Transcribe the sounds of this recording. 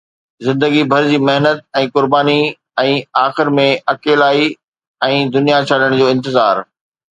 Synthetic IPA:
zɪ̃nd̪əɡibʱɐɾd͡ʑiːmeɦnət̪̚ɛ̃ːkʊɾbaːni | ɛ̃ːaːxɪɾmẽɐkeːlaːi | ɛ̃ːd̪ʊnijat͡ɕʰaɗəɽ̃d͡ʑoːɪ̃nt̪ɪzaːɾ

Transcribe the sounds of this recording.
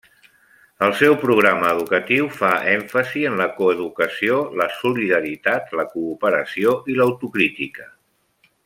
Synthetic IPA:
əlˠsɛwpɾuɣ̞ɾaməːðukət̪iwfaʔɛɱfəziənləkuəðukəsioləsuliðəɾit̪at̪ləkuːpəɾəsioʔiləwt̪ukɾit̪ikə

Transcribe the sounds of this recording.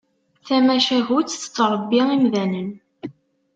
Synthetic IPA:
θæmæʃæɦut͡sːθə̥t͡sːɾˤəbːiimðænən

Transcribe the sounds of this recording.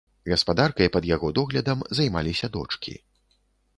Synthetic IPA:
ɣɐspad̪arkɐjpɐd̪jaɣɔd̪ɔɣlʲɐd̪ɐmzajmalʲisʲɐd̪ɔ̰t͡ʂkʲʰḭ

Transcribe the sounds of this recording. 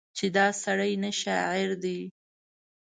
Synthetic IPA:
t͡ʃed̪ɑsaɽəjnaʃɑʕɪɾd̪i

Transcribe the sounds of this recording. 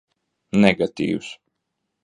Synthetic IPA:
nɛɡat̪ḭːws

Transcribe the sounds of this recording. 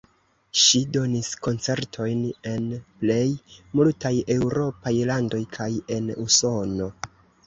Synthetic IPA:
ʃido̞nisko̞nt͡se̞ɾtʰo̞jne̞nple̞jmultaje̞wɾo̞pajlando̞jkʰaje̞nuso̞no̞

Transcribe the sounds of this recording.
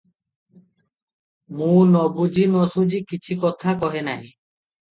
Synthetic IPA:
mũnɔbud͡ʑinɔsud͡ʑikit͡ɕʰikɔt̪ʰakɔɦena̰j

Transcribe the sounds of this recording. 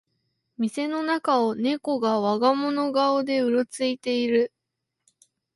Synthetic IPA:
mʲise̞no̞nakao̞ne̞ko̞ɡaβaɡamo̞no̞ɡaod̪e̞ɯ̟ɾo̞t͡sɨit̪e̞iɾɯ̟

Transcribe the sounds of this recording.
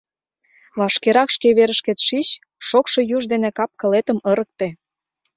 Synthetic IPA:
βɑʃkeɾɑkʃkeβeɾə̆ʃket̪ʃit͡ɕ | ʃokʃejuʒd̪enekɑp̚kə̆let̪ə̆mɤɾə̆k̚t̪e

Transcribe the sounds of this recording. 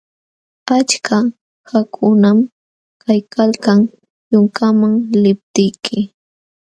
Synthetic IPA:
at͡ʃkʰa | xakʰʊnam | kajkalkaŋ | jʊŋkamaŋlɪp̚t̪ɪjkʰɪ

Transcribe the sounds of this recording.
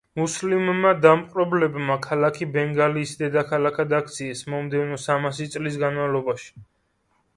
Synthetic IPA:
muslimːad̪amqʼɾɔblɛbmakʰalakʰibɛŋɡaliːsd̪ɛd̪akʰalakʰad̪ak̚ʰt̪sʰiɛsmɔmd̪ɛvnɔsamasit̪sʼlis̬ɡanmavlˠɔbaʃi̥

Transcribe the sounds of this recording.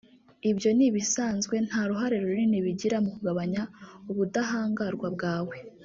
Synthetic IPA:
ibjo̞niβisaːnzɡwe̞n̥haɾuɦaɾe̞ɾuɾuɾiniβiɟiɾamukuɡaβaɲauβudaɦaːŋɡaɾɡwab̚ɡaːwe̞

